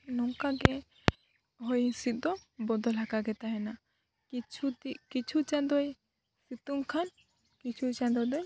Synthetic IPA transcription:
nɔŋkaɡɛ | ɦɔjĩsit̪̚d̪ɔbɔd̪ɔlakaɡɛt̪aɦɛna | it͡ʃʰut̪ikit͡ʃʰut͡ʃad̪ɔj | sit̪umkʰan | kit͡ʃʰut͡ʃãd̪ɔd̪ɔj

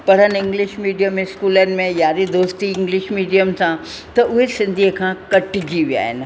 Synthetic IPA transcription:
pɐɽ̤ənɪɪ̃ŋɡlɪʃmiːɖijəmɪskuːlənɪ̆mẽjaːɾid̪oːst̪iɪ̃ŋɡlɪʃmiːɖijəmsã | t̪ɐʔʊɦesɪ̃nd̪ʱiəkʰãkɐʈd͡ʑiʋija̰ːɦɪ̰n̆

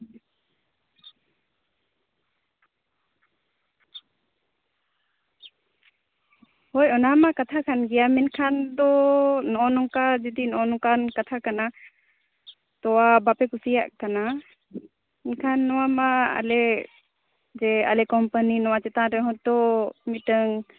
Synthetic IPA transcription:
hɔjɔnamakat̪ʰakʰanɡɛjamɛnkʰand̪ɔnɔʔɔnɔŋkad͡ʒud̪inɔʔɔnɔŋkankat̪ʰakana | t̪ɔwabapɛkusija̰ʔkana | inkʰanːɔwamaa̰lɛ | d͡ʒɛa̰lɛkɔmpaninɔwat͡ʃɛt̪aɾɛɦɔt̚d̪ɔmiʈəŋ

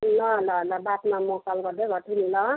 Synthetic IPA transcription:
lʌlʌɦlʌbat̪mamosalɡʌrd̪eɡʱʌʈʰinlʌ

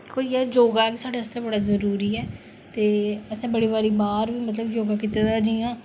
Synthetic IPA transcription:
koːiːɛːd͡ʒoːɡaːɛkisaːɖeːəst̪eːbəɽaːzəɾuːɾiːɛː | t̪eːəsãːbəɽiːβaːɾiːbaːɾʋiːmət̪ləbjoːɡaːkɪt̪eːd̪aːd͡ʒiːãː

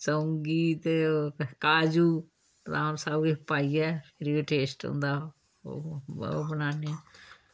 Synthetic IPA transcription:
səŋɡiːt̪ | kaːd͡ʒuː | pd̪aːnsaːbipaːiɛːpʰɪɾioːʈeːsʈõ̰ːnd̪a̰ː | bənaːne

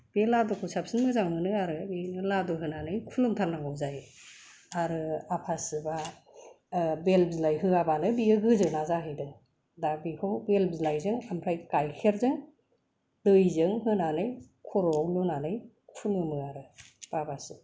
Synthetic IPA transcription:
b̥eladɔkʰɯwsʰapsɯnmɯzaŋmɯnɯaɾɯbinɯladɔɦɯnanɯjkʰulɯmtʰaɾnaŋɔwzajɯ | aɾɯapʰasɯba | belp̚zilajɦɯabanɯbiɯɡɯzɯnazaɦɯdɯ | dabikʰɯwbelpzilajzɯŋamɾʰajkajkʰeɾzɯŋ | dɯjzɯŋɦɯnanɯj | kʰɔɾɔwlunanɯj | kʰulɯmɯaɾɯb̥abasɯ

